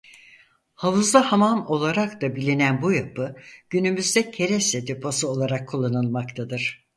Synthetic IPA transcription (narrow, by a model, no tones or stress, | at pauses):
havuzd̪ˠahamamo̞lˠaɾakt̪abilʲinænbujapʰɯɟ̥ynymyzd̪ɛcʰe̞ɾɛsed̪epʰosuo̞lˠaɾakʰːulˠːanɯlˠmakt̪ʰad̪ɯɾ̥